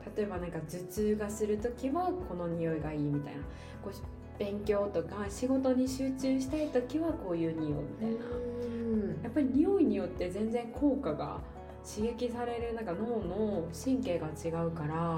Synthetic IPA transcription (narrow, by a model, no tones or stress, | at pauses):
t̪at̪o̞e̞banãŋkad͡ʑɨt͡ɕɨːɡasɨɾɯ̟t̪o̞kʲiβako̞no̞ɲ̟io̞iɡaiːmʲit̪a̰ina | ko̞ː | b̥ẽ̞ŋkʲo̞ːt̪o̞kaɕiɡo̞t̪o̞ɲ̟iɕɨːt͡ɕɨːɕi̥t̪ait̪o̞kʲiβako̞ːjɯ̟ːɲ̟ijo̞̰ːmʲit̪aina̰ | japːaɾʲiɲ̟ijo̞iɲ̟ijo̞t̪ːe̞zẽ̞nd͡zẽ̞ŋkʰo̞ːkaɡa̰ | ɕiɡe̞kʲisaɾe̞ɾɯ̟nãŋkano̞ːnoɕĩŋke̞ːɡat͡ɕiɡaɯ̟kaɾa